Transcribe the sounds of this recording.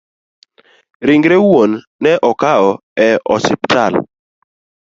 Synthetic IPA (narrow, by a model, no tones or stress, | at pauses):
ɾiŋɡɾewonː | ɛʔɔkaɔ | ɛɔsɪptʰal